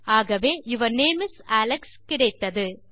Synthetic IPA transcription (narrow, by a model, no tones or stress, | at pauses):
aːɣɐʋeːɪʋɐɾneːmɪsæːlɐkskɪɽɐɪt̪ːɐðɯ